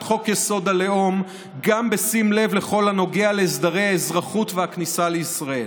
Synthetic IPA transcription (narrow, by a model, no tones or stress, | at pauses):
χo̞kjeso̞d̪aleo̞m | ɡambe̞simle̞vle̞χo̞lhano̞ɡeale̞ːsd̪aʁejhaezʁaχutvehaknisale̞isʁae̞̰l